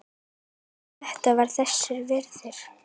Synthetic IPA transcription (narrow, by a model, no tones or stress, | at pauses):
θɛht̪avaɾ̥θɛsːɪɾvɛɾðɪɾ̥